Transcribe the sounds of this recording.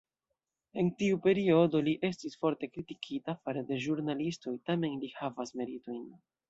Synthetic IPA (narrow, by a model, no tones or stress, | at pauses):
e̞ntiupe̞ɾio̞do̞liʔe̞stisfo̞ɾte̞kɾitikʰitafaɾede̞ʒuɾnalisto̞jtame̞nlihavasme̞ɾito̞jn